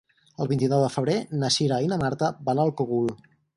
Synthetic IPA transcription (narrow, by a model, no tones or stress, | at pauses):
əlˠβint̪inɔwðəfəβɾenəʃiɾainəmaɾt̪əbanalˠkoɣulˠ